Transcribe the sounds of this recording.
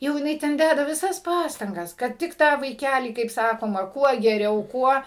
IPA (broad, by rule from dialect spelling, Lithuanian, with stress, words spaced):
jɛʊ jɪˈnɐɪ tʲɛn ˈdʲædɐ ʋʲɪˈsɐs ˈpɑːstɐŋɡɐs kɐt ˈtʲɪk ˈtɑː ʋɐɪˈkʲælʲiː kɐɪp ˈsɑːkoːmɐ ˈkuɔ ɡʲɛˈrʲɛʊ ˈkuɔ